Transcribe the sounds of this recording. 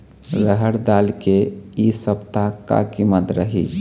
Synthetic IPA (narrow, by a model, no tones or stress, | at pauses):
ɾəɦəɾd̪alkeisəpt̪aka̰kimət̪ɾəɦḭ